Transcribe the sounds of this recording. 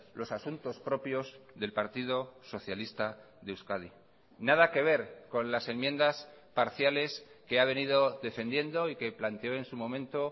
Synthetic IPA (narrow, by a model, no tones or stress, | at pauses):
lʔo̞sasunt̪o̞spɾo̞pjo̞zðe̞lpaɾt̪iðo̞so̞θjalist̪a | ðewskaði | nað̞ake̞β̞e̞ɾko̞nlase̞nmjẽ̞nd̪aspaɾθjale̞ske̞aβ̞e̞nið̞o̞ðe̞fe̞nd̪je̞nd̪o̞ike̞plant̪eo̞e̞nsumõ̞mẽ̞nt̪o